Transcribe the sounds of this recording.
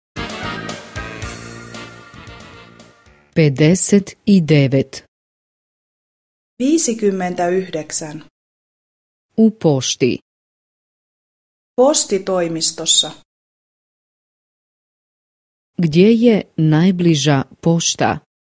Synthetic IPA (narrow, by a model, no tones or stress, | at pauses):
ped̪eset̪id̪eʋet̪ | ʋiːsikymːent̪æyhdeksæn | upo̞ʃt̪ḭ | post̪it̪o̞jmist̪osːɑ | ɡd̪jejenajbliʒapo̞ʃt̪a̰